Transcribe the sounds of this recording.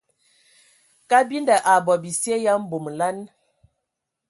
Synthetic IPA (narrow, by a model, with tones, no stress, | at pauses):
ka˦bi˦nda˨ʔa˨bɔ˨bi˨sje˦ja˦m̩˦bo˨m˨la˦n